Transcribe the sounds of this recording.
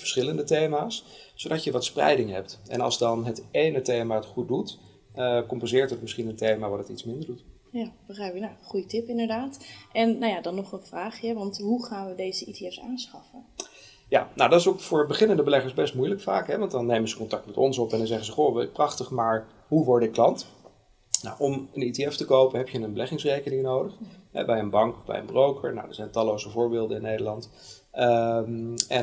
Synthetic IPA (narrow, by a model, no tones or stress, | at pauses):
vəɹsχɪləndətejmaːs | sowdɑcjəʋɑtsprɛ̰jdɪŋɦɛp̚tɛ̰nɑ̰lˠzdɑnɦətejnətejmaːətχut̚dut | kɔmpɛnzɪːɹtət̚mɪsχinəntejmaːʋaːɹdətitsmɪndəɹdut | jab̥əχɛnaχujətɪpɪndəɹdaːtʔɛnːawjadɑnːɔχənvraːχjɛʋɑntɦuχaːnʋədejzəʔiteɛsa̰ːnsχɑfən | ja̰ːnowdɑtɪsowkfʊːɹbəχɪnəndəbəlɛχəɹsbɛstmujləkfa̰ːkɦɛʋɑntdɑnːejmənzəkɔntɑk̚tmɛtɔnsɔpɛndɑnzɛχənzəχoːʋ̚prɑχtəχmaːɹ | ɦuʋɔɹdɪklɑnt | na̰wʔɔməniteɛftəkowpənɦɛpjənənbəlɛχɪŋsrejkənɪŋnowdəχɦɛ̰bɛjənbɑŋkɔbɛ̰jə̰nbrowkəɹna̰wdə̰ɹzɛjntɑlːowzəvʊːɹbɪːlˠdəɪnːejdə˞lɑnt | ɛn